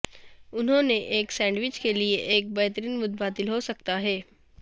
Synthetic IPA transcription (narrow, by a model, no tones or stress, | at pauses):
ʊnɦõneʔeːksɛ̃ːɳɖʋɪt͡ʃkelieʔeːk̚bɐɦt̪əɾiːnmʊt̪̚bʱaːt̪ɪlɦosɐk̚t̪aɦɛː